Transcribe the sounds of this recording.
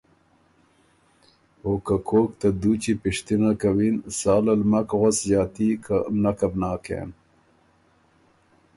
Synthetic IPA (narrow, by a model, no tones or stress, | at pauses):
oːkakʰoːkt̪ad̪ut͡ʃipɪʂt̪inakawinsɑːlalmakɣaszɑːt̪ikʰanakabnɑːkḛn